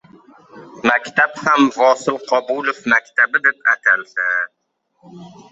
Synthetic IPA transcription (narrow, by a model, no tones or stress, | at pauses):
makʲt̪ʰaphamvɒsɪlqʰɒbulˠofmakʲt̪ʰabɪd̪ep̚a̰t̪ʰalsa